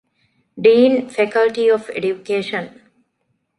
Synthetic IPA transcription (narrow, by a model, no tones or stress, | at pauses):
ɖiːnfekəlʈiɔfḛɖjukeːʃən